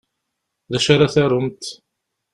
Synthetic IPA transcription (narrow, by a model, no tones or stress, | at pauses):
ðæʃaɾaθæɾʊmt̪